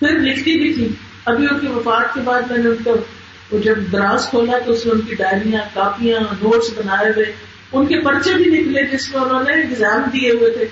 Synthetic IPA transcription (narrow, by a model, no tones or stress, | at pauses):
pʰɪɾlɪkʰt̪ibʱit̪ʰiː | ɐbʱiʊnkiʋɐfaːt̪̚kebaːd̪mɛ̃ːneʊnke | d͡ʒɐbd̪ɐɾaːskʰoːlaɦɛt̪oʊsmeʊnkiɖaːɪɾijãkaːfijãːnoːʈsbɐnaːjeʋee | ʊnkepɐɾt͡ʃebʱinɪkled͡ʒɪsmenõneɪɡzaːmd̪ieɦʊet̪ʰeː